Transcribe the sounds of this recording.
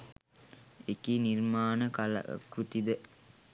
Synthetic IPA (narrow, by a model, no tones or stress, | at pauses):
ekinirmaːnəkal̰kɾut̪id̪ə